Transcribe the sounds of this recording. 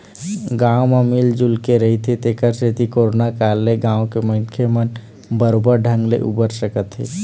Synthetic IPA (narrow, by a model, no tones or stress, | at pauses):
ɡãwmamild͡ʒulkeɾəɦit̪ʰit̪ekəɾset̪ikoɾonakalːeɡãwõkeməkʰemən | bəɾobəɾɖʱə̃ŋɡlḛʔṵbəɾsəkət̪ɦḭ